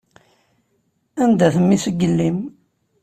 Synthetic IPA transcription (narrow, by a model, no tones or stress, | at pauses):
ænd̪æθəmːiθəɡːəlːim